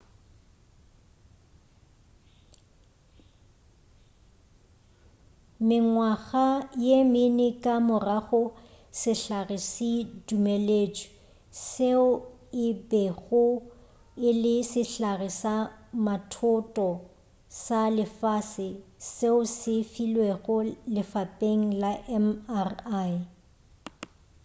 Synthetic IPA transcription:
mɪŋwaɣajemɪnɪkʼamʊraɣʊ | sɪɬarɪsɪdumeleːt͡ʃʼi̥ | seʊ | ɪbɛɣʊ | ɪlɪsɪɬarɪsamatʰʊtʼɔ | salɪfasɪseʊsɪfilweɣʊlɪfapʼeŋ̩laʔɛmara

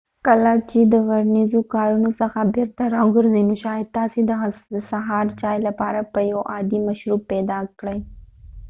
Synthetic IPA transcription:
kɐlaːt͡ʃid̪əʋɐɾnizũkaːɾunusɐxabɪɾt̪ɐɾaɡʊɾzimʊʃaːɦɪd̪̚t̪aːsĩd̪əɦsɐɦaːɾt͡ɕaːjlɐpaːɾapəjoʔaːd̪imɐʃɾuːpːɛːd̪aːkɽɐi

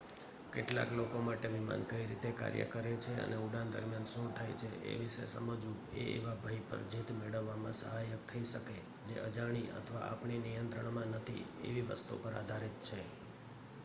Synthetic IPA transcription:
keʈla̰klokomaʈeʋima̰nkəiɾit̪eka̰ɾjə̰kəɾet͡ʃʰeə̰neuɽãnd̪ə̰ɾmjanʃũt̪ʰajt͡ʃʰeʔḛʋiʃḛsəməd͡ʒũ | eḛʋabʱəjpə̰ɾd͡ʒit̪meɭəʋːamãsəɦajəkt̪ʰəiʃəke | d͡ʒeʔəd͡ʒaɽ̃iə̰t̪ʰəʋa̰ʔa̰pɳinijənt̪ɾəɳmãnət̪ʰḭḛʋiʋə̰st̪ṵpəɾa̰d̪ʱaɾit̪̚t͡ʃʰe

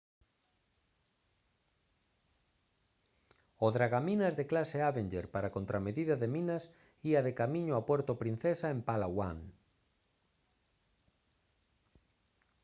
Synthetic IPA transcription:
oðɾaɣaminazðeklaseaβend͡ʒeɾpaɾakont̪ɾameðiðaðemĩnas | iaðekamĩɲoapwɛɾt̪opɾin̟θesaempalawaŋ

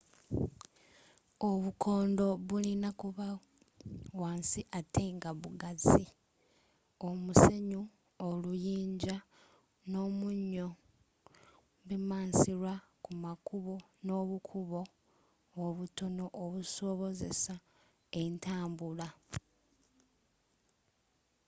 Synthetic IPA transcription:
o̞βukʰo̞ːndo̞βulinakuβa | waːnsiʔatʰe̞ŋɡaβuɡazi | o̞muse̞ɲu | olujiːɲɟa | no̞ːmuɲːo̞ | βimaːnsiɾwakumakuβo̞no̞ːβukʰuβo̞ː | βuto̞no̞ʔoβuso̞βo̞ze̞̰sa | e̞ntaːmbula

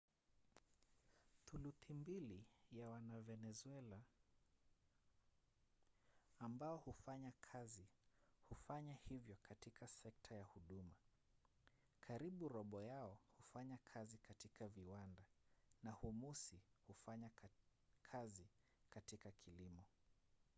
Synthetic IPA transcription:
θuluθimbilijawanavɛnɛzwɛla | mbaɔhufaɲakʰazihufaɲahivjɔkʰatikʰasɛk̚tʰajahuɗuma | kʰaɾiɓuɾɔɓɔjaɔhufaɲakʰazikatikaviwandanahumusihufaɲa | kʰazi | katikakʰilimɔ

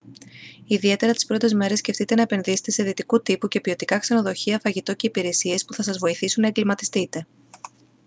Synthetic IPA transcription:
iðie̞t̪e̞ɾɐt̪i̥spɾo̞t̪e̞zme̞ɾe̞sce̞ft̪it̪e̞nɐepe̞nðise̞̥t̪e̞se̞ðit̪ikut̪ipuce̞pio̞t̪ikɐkse̞no̞ðo̞çiɐfɐʝit̪o̞ce̞ipiɾe̞sie̞spuθɐsɐzvo̞iθisunːɐeŋɡlimɐt̪i̥st̪it̪e̞

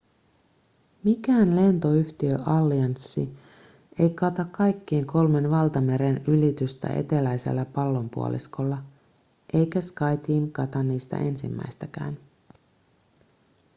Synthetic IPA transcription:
mikæːnle̞nt̪o̞yçt̪iøʔɑlːiɑnsːi | e̞jkɑt̪ɑkːɑjkːeːŋko̞lme̞nʋɑlt̪ɑme̞ɾe̞nylit̪yst̪æ̰ʔe̞̰t̪e̞læjse̞̰lːæpɑlːo̞mpṵo̰lʔḭsko̞lːɑ | ʔe̞jkæskɑjt̪iːmkɑt̪ɑnːiːst̪æ̰ʔe̞nsḭmːæ̰jst̪ækæ̰ːn

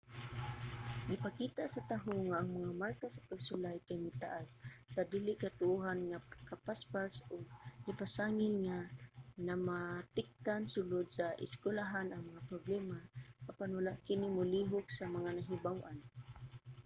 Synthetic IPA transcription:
ɡɪpakit̪aʔsat̪aɦoŋaʔːŋmaŋamaɾkasḁpaɡsʊlajkajmɪt̪aʔasːad̪iːlɪʔkat̪ʊʔuɦanŋakapaspasʊɡ̚nɪpasaːŋɪnŋanamat̪ɪk̚t̪ansʊlʊd̪̚saʔɪ̰skwʊlaɦanʔaŋmaŋapɾʊblɛmakapanwalaʔkɪnɪmʊliɦʊksamaŋanaɦɪbawʔan

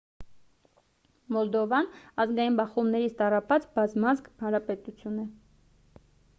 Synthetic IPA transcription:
mɔld̪ɔvɑnɑzɡɑjinbɑχumnɛɾit͡sʰt̪ɑrɑpɑt͡sbɑzmɑzkhɑnɾɑpɛt̪ut͡sʰjunɛ

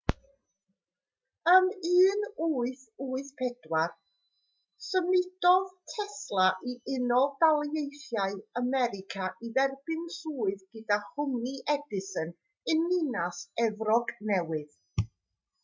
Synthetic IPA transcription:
əmɨːnuːɨθuːɨθpʰɛdwar | səmɪd̥ɔðtʰɛslˠaʔiʔɪnɔdalˠejθjaɨəmɛɾɪkʰaʔiðɛrb̥ɪnsuːɨðɡ̥ɨdaχʊmniʔɛdɪsən | ɨnɪnasɛvrɔɡnɛwɨð

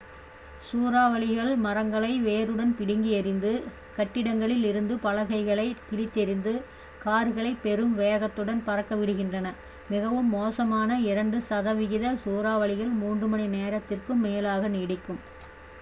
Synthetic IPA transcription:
suːɾaːʋɐɭɪɣɐɭmɐɾɐŋɡɐɭɐɪʋeːɾɯɽɐnpɪɽɪŋɡiɐɾɪnd̪ɯ | kɐʈːɪɽɐŋɡɐɭɪlɪɾɯnd̪ɯpɐlɐɣɐɪɣɐɭɐɪk̪ɪlɪt̪ːɛɾɪnd̪ɯ | kaːɾɯɣɐɭɐɪpːɛɾɯmʋejɐɣɐt̪ːɯɽɐnpɐɾɐkːɐʋɪɽɯɣɪndrɐnɐ | mɪɣɐʋɯmːoːsɐmaːnɐɪɾɐɳɖɯsɐðɐʋɪɣɪðɐsuːɾaːʋɐɭɪɣɐɭmuːndrɯmɐnineːɾɐt̪ːɪrkɯmːeːlaːɣɐniːɽɪkːɯm

